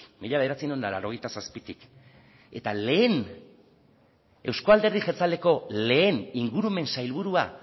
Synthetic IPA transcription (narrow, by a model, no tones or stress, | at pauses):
miʎaβe̞ð̞eɾat͡sinondala̰ɾo̞ɣe̞jt̪asaspit̪ik | e̞t̪ale̞ːn | e̞wsko̞ald̪e̞ɾðiseɾt͡sald̪e̞ko̞le̞ːniŋɡuɾume̞nsajlβuɾua